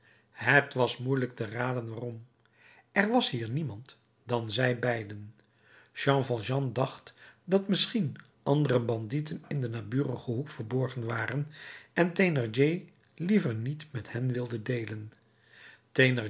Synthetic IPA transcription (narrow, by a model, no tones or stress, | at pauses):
ɦətʋɑsmujlək̚təraːdənʋaːrɔm | ɛɹʋɑsɦiːɹnimɑnt | d̥ɑnzɛjbɛjdən | ʃɑ̃ŋvɑlˠʒɑndɑχtdɑtmɪsχin | ʔɑndərəbɑnditənɪndənaːbyːrəχəɦukfəɹbɔɹχənʋaːrənʔɛntenəɹd͡ʒej | livəɹnitmɛthɛnʋɪlˠdədejlən | tenə